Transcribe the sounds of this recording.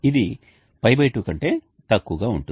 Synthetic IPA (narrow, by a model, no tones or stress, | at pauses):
id̪i | pɐjbɐjʈuːkɐɳʈe̞ː | t̪ɐkːuːɡaːuɳʈu